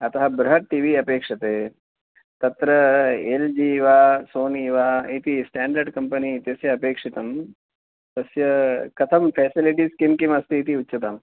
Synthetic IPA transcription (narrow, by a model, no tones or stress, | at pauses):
ɐt̪ɐɦɐbɾɐɦɐʈ̚ʈiʋiɐpeːkʂɐt̪eː | t̪ɐt̪ɾɐeld͡ʒiːʋaːsoːniʋaːit̪isʈaːɳɖɐɾɖkɐmpɐniːt̪jɐsjɐɐpeːkʂit̪ɐm | t̪ɐsjɐkɐt̪ʰɐmfʰɛːsiliʈiskimkimɐst̪iːt̪iutːʃɐt̪ɐm